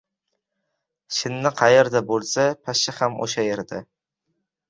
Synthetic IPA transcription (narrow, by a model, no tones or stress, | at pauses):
ʃɪnːɪqʰɑjeɾd̪abolˠsapʰaʃɪhamo̰ʃajeɾd̪a